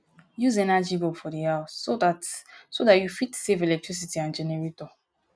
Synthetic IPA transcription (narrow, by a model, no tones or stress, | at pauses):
juzɛnad͡ʒibɔfɔdiawsodatsodatjufitsevelɛk̚tɹis̬itiãnd͡ʒɛnɛɹitɔ